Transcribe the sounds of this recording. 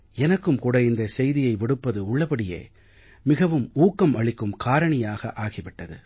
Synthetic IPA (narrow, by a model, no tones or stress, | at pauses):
ɛnɐkːɯmkuːɽɐɪnd̪ɐsɛjðɪjɐɪʋɪɽɯpːɐðɯʊɭːɐpɐɽɪjḛː | mɪɣɐʋɯmuːkːɐmʔɐɭɪkːɯmkʰaːɾɐɳɪjaːɣɐ̰ʔaːɣɪʋɪʈːɐðɯ